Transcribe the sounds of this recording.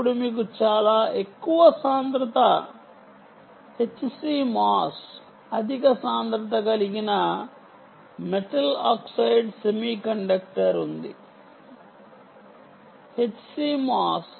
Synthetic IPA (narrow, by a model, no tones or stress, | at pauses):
puɽumiːk̬ut͡ʃaːlaːʔekːuʋɐsaːnd̪ɾɐt̪ɐ | he̞t͡ʃːsiːmaːs | ɐd̪ʱikɐsaːnd̪ɾɐt̪ɐɡɐliɡinɐ | meʈɐlaːksɐjɖsemiːkɐɳɖɐk̚ʈɐɾund̪ḭ | he̞t͡ʃːsiːmaːs